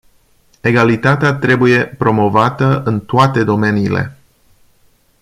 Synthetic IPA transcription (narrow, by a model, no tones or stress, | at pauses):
e̞ɡalit̪at̪eat̪ɾe̞buje̞pɾo̞mo̞vat̪əʔɨnt̪oat̪e̞d̪o̞me̞niːle̞̰